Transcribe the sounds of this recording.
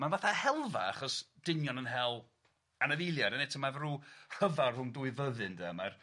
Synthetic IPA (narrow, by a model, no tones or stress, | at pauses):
manvaθahɛlˠva̰aχɔsd̥ɪnjɔnənɦɛlˠ | anavɪlˠjaɾənɛtʰəmavrur̥əvarʊmduɨvəðɨndɛmar